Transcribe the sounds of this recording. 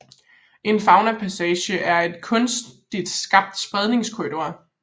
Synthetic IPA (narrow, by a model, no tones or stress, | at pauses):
ʔe̝nfɑ̈ʊnɐpʰæsɛːɕəʔæɐe̝d̥kʰɔ̽nsd̥id̥sɡ̥ɑ̈b̥̚d̥sb̥ʁɛð̞ˠne̝ŋskʰoido̝ɐ